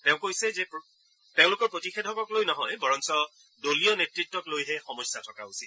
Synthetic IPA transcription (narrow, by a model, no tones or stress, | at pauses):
teʊ̃kojsɛzɛp | teʊ̃lʊkɔɹpɹotixetʰɔkɔklojnɔɦɔjbɔɹɔnsɔ | doliɔnetɹitːɔklojɦɛxɔmɔjsːatʰɔkausit̚